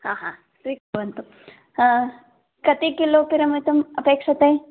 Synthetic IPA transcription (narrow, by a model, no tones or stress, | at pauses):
ɦaːɦã | sʋikɐʋɐnt̪u | kɐt̪ikiloːkiɾɐmit̪ɐmɐpeːkʂɐt̪ɦẽ